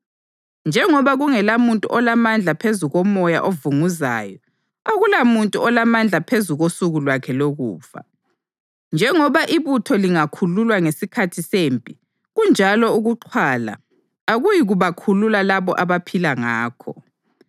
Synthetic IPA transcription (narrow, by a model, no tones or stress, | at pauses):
nd͡ʒʱɛŋɔβaɣuŋɛlamuntʼṵʔɔlamand͡ɮʱapʰezuɣɔmɔja̰ʔovuŋuza̰ːjɔ | aɣulamuntʼuɔlamand͡ɮʱapʰezuɣosuɣulwakʰɛloɣṵːfa̰ | nd͡ʒʱɛŋɔβaʔiβutʰɔliŋakʰululwaŋesikʰatʰisempʼi | ɣund͡ʒʱalɔuɣuǃʰwaːla̰ | aɣujiɣuβakʰululalaβɔ̰ʔaβapʰilaŋaːkʰɔ